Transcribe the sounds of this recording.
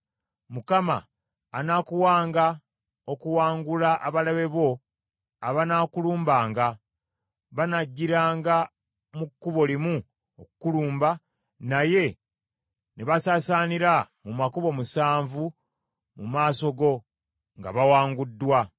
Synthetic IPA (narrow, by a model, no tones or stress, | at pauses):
mukama̰ː | naːkuwaːŋɡa | okuwaːŋɡulaʔaβalaβe̞βo̞ | aβanaːkuluːmbaːŋɡa | βanaɟːiɾaːŋɡa | mukːuβo̞limu | okukuluːmba | naje̞ | neβasaːsaːniɾamumakuβo̞musaːɱvu | mumaːso̞ɡo̞ | ŋɡa̰βawaːŋɡudːwa